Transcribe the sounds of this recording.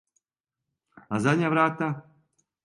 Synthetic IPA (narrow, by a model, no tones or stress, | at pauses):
azaɲʲavɾat̪a